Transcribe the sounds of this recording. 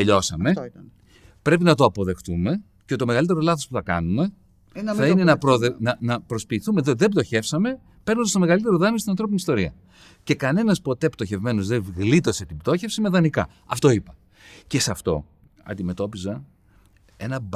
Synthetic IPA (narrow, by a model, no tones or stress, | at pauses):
eʎo̞sɐme̞ | pɾe̞pinɐt̪o̞ɐpo̞ðe̞xt̪ume̞ | cet̪o̞me̞ɣɐlit̪eɾo̞lɐθo̞spuθɐkɐ̰nume̞ | θɐinenɐɾonɐnɐpɾo̞spiːθumeðot̪ðebt̪o̞çe̞fsɐme̞ | peɾnond̪ɐso̞me̞ɣɐlit̪e̞ɾoðɐniostiɐnθɾopinist̪o̞ɾiɐ | ce̞kɐne̞nɐspo̞t̪e̞pt̪o̞çe̞vme̞no̞zðeɣlit̪o̞se̞t̪ibt̪o̞çe̞fsime̞ðɐnikɐ̰ | ɐft̪o̞ipɐ | ce̞sɐft̪o̞̰ | ɐ̰nd̪ime̞t̪o̞pizɐ | e̞nɐ